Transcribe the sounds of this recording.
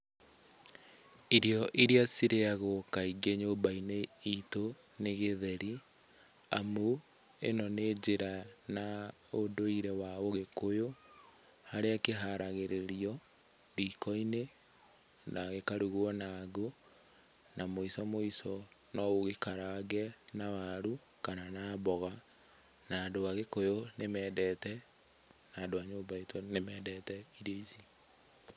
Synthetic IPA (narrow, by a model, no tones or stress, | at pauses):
iɾiɔʔiɾiasiɾeaɣokaiɡeɲoːbaineito | neɣeðɛɾi | amu | ḛnɔned͡ʑeɾana | odoiɾɛwaoɣekojo | haɾeakeɦaɾaɣeɾeɾiɔ | ɾikɔine | naɣekaɾuɣuɔnaɡo | namoisɔmoisɔ | nɔoɣekaɾaɡɛnawaɾu | kananaːbɔɣa | naːdoaɣekojonemɛːdɛtɛ | naːndoaɲoːmbaetʰonemɛdɛtɛiɾeisi